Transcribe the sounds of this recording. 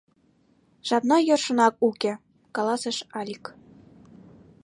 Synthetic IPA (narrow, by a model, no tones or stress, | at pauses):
ʃɑt̪nɑjɤ̆rʃɤ̆nɑk̚ukʲĕ | kɑlˠɑsɤ̆ʃɑlʲik